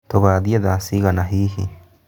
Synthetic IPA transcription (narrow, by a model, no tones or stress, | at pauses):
t̪oβaðiaðasiɣanaɦihi